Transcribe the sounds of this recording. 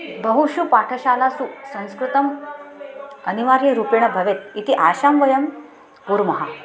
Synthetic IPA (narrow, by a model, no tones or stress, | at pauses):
bəɦuɕupaʈʰəɕalasuːsə̃w̃skɾut̪ɐm | əniʋaɾiɾupiɳəbʱɐʋet̪̚it̪iʔaɕamʋɐjɐm | kuɾmɐɦa